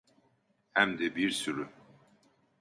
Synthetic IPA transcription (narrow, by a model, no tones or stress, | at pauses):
hæmd̪ɛbiɾsyɾy